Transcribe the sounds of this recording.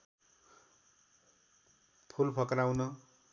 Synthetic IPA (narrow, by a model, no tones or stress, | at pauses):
pʰulpʰʌkrawnʌ